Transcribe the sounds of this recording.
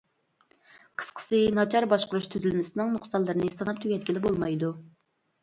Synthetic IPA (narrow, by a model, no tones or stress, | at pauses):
qʰə̥sqʰə̥sɨnɑt͡ʃʰɑɾbɑʃqʊɾuʃt̪ʰyzɪlmɪsɪnɨŋnʊχsɑlˠːɨɾɨnɨsɑnɑpt̪ʰyɡʲɛt̪̚ɡʲilɪbolˠmɑjd̪u